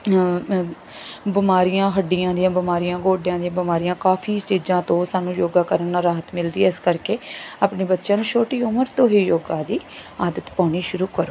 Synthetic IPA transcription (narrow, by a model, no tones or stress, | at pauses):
bɪmaːɾijãːɦəɖːijãːd̪ijãːbɪmaːɾijãːɡoːɖjãːd̪ijãːbɪmaːɾijãːkaːpʰiːt͡ʃiːd͡ʒãːt̪õːsaːnũːjoːɡaːkəɾənːaːɾaːɦət̪mɪld̪iːɛɪskəɾkeːaːpɳeːbətːʃjãːnũːt͡ʃʰoːʈiːʊməɾt̪õːɦiːjoːɡãːd̪iːaːd̪ət̪pãːɽ̃iːʃʊɾuːkəɾoː